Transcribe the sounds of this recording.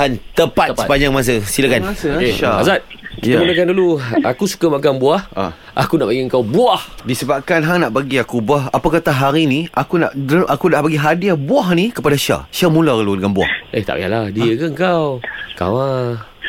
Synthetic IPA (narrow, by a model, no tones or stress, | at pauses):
ant̪əpat̪̚səpaɲd͡ʒaŋmas̬əsilakanasazat̪̚kiamunəkanduluakusu̥kamakaŋnbuaha̰ | ʔa̰kunaʔbaɡiəŋkawbuahdisəbap̚kanɦanaʔbaɡiakubuaɦapakat̪aɦaɾinĩʔakuna̰ʔʔakunaʔbaɡiɦadiabuaɦnikəpadaʃa̰ʃamũlaəludəŋanbua̰hʔeht̪a̰ʔbja̰ʔlahdiəkəəŋkawka̰wa